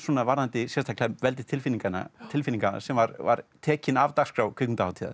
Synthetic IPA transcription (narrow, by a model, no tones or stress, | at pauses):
suːnavaɾðant̪ɪsjɛst̪ʰaklɛmvɛlt̪ɪt̪ʰɪlfiniŋkanːa̰t̪ʰɪlfiniŋkasɛmvaɾva̰ɾt̪ʰɛːcɪnavt̪axskɾawkʰʏkmɪnt̪ahawt̪ʰiːða̰